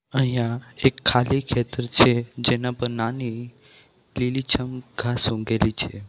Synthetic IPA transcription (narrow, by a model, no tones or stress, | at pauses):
ə̃ɦjaekʰːalikʰet̪əɾt͡ɕʰed͡ʒenapəɾnani | lilit͡ɕʰəmɡʱasõɡelit͡ɕʰe